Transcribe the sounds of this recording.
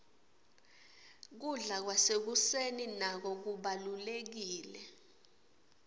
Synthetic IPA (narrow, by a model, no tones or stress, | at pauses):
k̬uɮak̬wasek̬useninak̬ɔk̬uɓalulek̬iːlɛ